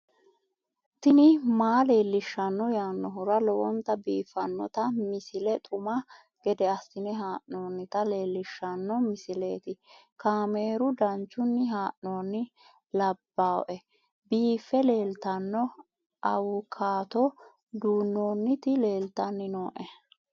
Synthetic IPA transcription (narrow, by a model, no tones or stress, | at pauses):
t̪ɪnɪmaːle̞ːlːɪʃːɐnːɔjanːɔɦʊɾɐlɔwɔnt̪ɐbiːfːɐnːɔ̰t̪ɐmɪsɪlɛt̪ʼʊmɐ | ɡ̥ɛd̪ɛɐsːɪnɛɦaːʔnoːnːɪt̪ɐle̞ːlːɪʃːɐnːɔmɪsɪle̞ːt̪ɪ | kaːme̞ːɾʊd̪ɐnt͡ʃːʊnːɪɦaːʔnoːnːɪ | lɐbːaːwʔɛ | biːfːɛle̞ːlt̪ɐnːɔ | ʔɐwʊkʰːaːt̪ɔ | d̪uːnːoːnːɪt̪ɪle̞ːlt̪ɐnːɪnoːʔɛ